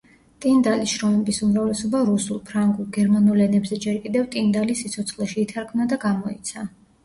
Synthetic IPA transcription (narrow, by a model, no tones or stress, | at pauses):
t̪ʼind̪alisʃɾɔmɛbisumɾavlɛsɔbaɾusulˠpʰɾaŋɡulˠɡɛɾmanulɛnɛbzɛd͡ʒɛɾkʼid̪ɛvt̪ʼind̪alisit̪sʰɔt̪sʰχlɛʃiːt̪ʰaɾkʰmnad̪aɡamɔḭt̪sʰa